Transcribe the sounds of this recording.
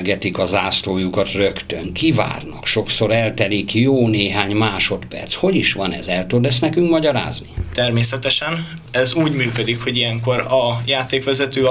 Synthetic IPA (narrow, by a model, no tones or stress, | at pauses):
ɡɛt̪ikɒzaːsloːjukɒt̪røkt̪øŋkiva̰ːrnɒ̰kʃo̞kso̞ɾɛlt̪ɛlikjoːneːɦaːɲmaːʃo̞t̪pɛ̰rt̪sho̞ɟiʃʋɒnɛ̰zɛlt̪ud̪ɛs̬nɛkyŋkmɒɟɒɾa̰ːznit̪ɛrmeːsɛt̪ɛʃɛn | ɛzuːɟmyːkød̪ikho̞ɟijɛŋkoɾɒjaːt̪eːkʋɛzɛt̪øː